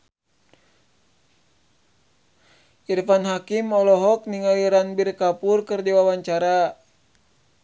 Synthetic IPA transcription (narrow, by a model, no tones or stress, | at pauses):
ʔirfanɦakimɔlɔɦɔk̚niŋawiɾanbirkapurkɨrdiwawaɲt͡ʃaɾa